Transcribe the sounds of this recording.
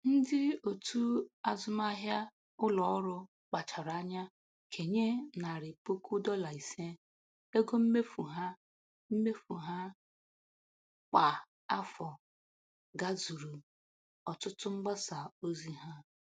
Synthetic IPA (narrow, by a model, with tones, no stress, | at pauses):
n̩˦dɪ˦o˨tu˦a˨zʊ˦ma˦ɦja˦ | ʊ˦lɔ˨ɔ˦ɾʊ˦ | k͡pa˨t͡ʃa˨ɾɲa˦ | kʰe˨ɲe˦na˨ɾɪ˨po˦ku˦dɔ˦la˨i˨se˦ | e˦ɡo˦m̩˦me˦fu˨ɦa˦ | m̩˦me˦fu˨ɦa˦ | k͡pa˨ | a˦fɔ˨ | ɡa˦zu˨ɾu˨ | ɔ˨tʊ˦tʊ˦ŋ͡m̩˦ɡ͡ba˦sa˨o˦zi˦ɦa˦